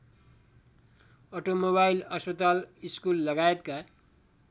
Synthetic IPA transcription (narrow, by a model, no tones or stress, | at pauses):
ʌʈomoβajilʌspʌt̪aliskulːʌɡaet̪ka